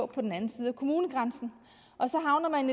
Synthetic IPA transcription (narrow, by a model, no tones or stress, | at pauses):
pʰɒden̩ænn̩siːð̞̩ˠækʰo̝muːnəɡ̥ʁansn̩ | ʔɒ̽sɒ̽ɦɑ̈ʊnɐmæne